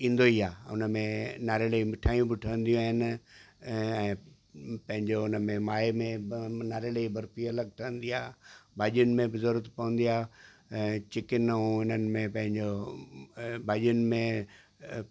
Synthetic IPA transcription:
ĩːnd̪oiːaːʊ̰nə̆mẽnaːɾeləimɪʈʰaːjũbɪʈʰəʋə̃nd̪ijũaːɦɪnɪ̆ | ɛ̃ː | pɐ̃ɦɪ̃ɲd͡ʑoʊnəmẽmaːemẽnaːɾeləibʱɐɾfiɐləɡ̚ʈʰɐə̃nd̪iaːbʱaːʄijʊnɪ̆mẽbɪzəɾuət̪pɐʋə̃n̆d̪ijaː | t͡ɕɪkɪnəũɪnənɪ̆mẽpɐ̃ɦɪ̃ɲd͡ʑo | bʱaːʄijʊnɪ̆mẽ

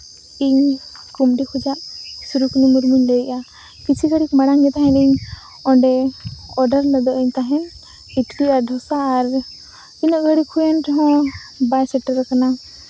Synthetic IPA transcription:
iɲkumɖikʰud͡ʒaʔsuɾukunimuɾmuɲlɛʔa | kit͡ʃʰiɡəɽikmaɽaŋɡɛt̪aɦɛ̃niɲ | ɔɳɖɛɔɖəɾləd̪ɔʔəɲt̪aɦɛ̃n | itɾiaɖʱɔsaːɾ | inɔʔɡəɽikʰːujɛntɔɦɔ̃bajsɛʈəɾəkana

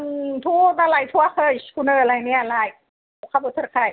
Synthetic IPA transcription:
ŋt̪ʰuːt̪alajt̪ʰuaxɤːskʰunəːlajnialaj | ukʰabut̪ʰɯkʰaj

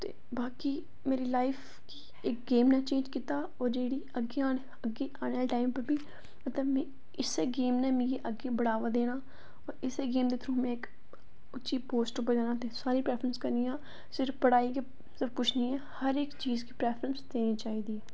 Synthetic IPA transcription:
t̪ḛː | baːkiː | meːɾiːlaːɪpʰ | kiː | ɪk̚ɡeːmnɛːt͡ʃẽːnd͡ʒkɪt̪aː | ɔːɾd͡ʒeːɽiːəɡːeːaː | əɡeːʔaːɳɛːlʈaːɪmpəɾbiː | mət̪ləmɛ̃ː | ɪseːɡeːmnɛːmĩjeːʔəɡeːbəɽaːʋaːd̪eːnaː | ɔːɾɪseːɡeːmd̪eːt̪ʰɾũːmɛ̃ːɪk | ʊtːʃiːpoːsʈʊpəɾd͡ʒaːnãːt̪esaːɾiːpɾɛːpʰɾənskəɾniːjãː | sɪɾfpəɽaːiːke | səbkʊt͡ʃʰnĩːɛːhəɾɪkt͡ʃiːzkiːpɾɛːpʰɾənsd̪eːnĩːt͡ʃaːiːd̪iːɛː

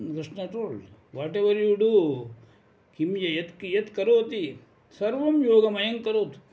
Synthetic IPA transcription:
kɾiʂɳɐʈoːɭʋaːʈeʋɐɾjuɖu | kimjɐjet̪kjet̪kɐɾoːt̪i | sɐɾʋɐmjoːɡɐmɐjɐŋkɐɾoːt̪

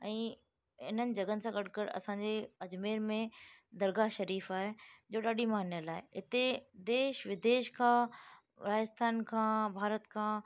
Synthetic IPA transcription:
ɛ̃ː | ɪ̰n̤ənɪ̆d͡ʑɐɡənɪ̆sãɡɐɽ̤ʱkəɾɐ̰sãɲd͡ʑeɐd͡ʑmeːɾmẽd̪ɐɾɡaʃɐɾiːfaːɦed͡ʑoːɗaːɗimaənjəlaːɦeɪt̪ed̪eːʃʋɪd̪eːʃkʰãː | ɾaːd͡ʑɪst̪ʰaːnkʰãːbʱaːɾət̪kʰãː

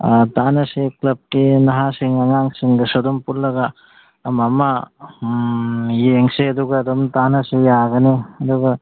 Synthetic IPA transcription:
tanɐseklɐb̚kinɐɦasiŋɐŋaŋsiŋdɐsodɔmpuɾlɐɡaː | mɐma | jeŋseɐduɡɐːdɔmtanɐsejaɡɐniɐduɡɐ

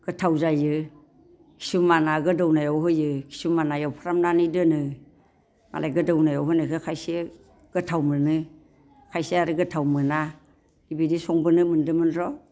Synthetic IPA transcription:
ɡ̥ɯtʰawzajɯ | kʰi̥sumanaɡɯdawnajawɦɯjɯkʰi̥sumanajawpʰaɾamnanidɯnɯ | ma̰lajɡɯdawnajawɦɯnakʰɯkʰajse | ɡ̥ɯtʰawmɯnɯ | kʰajseaɾɯɡɯtʰawmɯna | ibidisɔŋbɯnɯmɯndɯmɯnɾɔ

